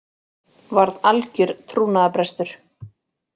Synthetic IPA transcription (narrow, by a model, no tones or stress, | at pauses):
vaɾðalcʏɾt̪ʰɾuːnaðapɾɛst̪ʏɾ̥